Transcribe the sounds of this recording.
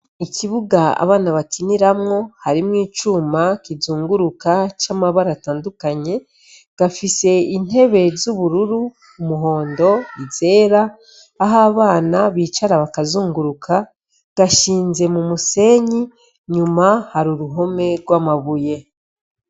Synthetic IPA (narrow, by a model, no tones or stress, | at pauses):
iciβuɡaa̰βaːnaβakiniɾamŋo̞haɾimŋiːt͡ʃumakizuːŋɡuɾukat͡ʃamaβaɾataːndukaɲe̞ | ɡ̥afise̞in̥he̞βe̞zuβuɾuɾu | umuɦo̞ːndo̞ize̞ːɾaː | ɦaβaːnaβiːt͡ʃaɾaβakazuːŋɡuɾukʰa | ɡ̥aʃiːnze̞mumuse̞ɲi | ɲumahaɾuɾuɦo̞me̞ɾɡwaːmaβuje̞